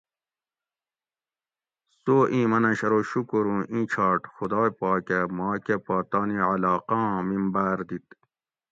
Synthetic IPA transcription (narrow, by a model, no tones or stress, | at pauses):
soːʔĩːmɐnɐɕɐɾoɕukoɾũʔĩːt͡ɕʰɑːʈxud̪ɑːjpɑːkemɑːkepɑːt̪ɑːniʕalɑːqɑ̃ːmimbaːɾd̪it̪̚